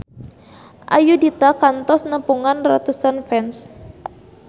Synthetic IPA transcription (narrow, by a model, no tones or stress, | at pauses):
ʔa̰judit̪akant̪ɔsnəpuŋanrat̪usanfɛns